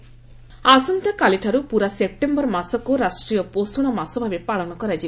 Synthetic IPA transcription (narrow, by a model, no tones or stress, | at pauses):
aːsunt̪ɐkɐliʈʰɐɾupuɾɐsep̚ʈembɐɾmɐsɐkuɾaːʂʈɾijɐpoːsunɐmɐsɐʋɐʋipaːɭɐnɐkuɾɐd͡ʒi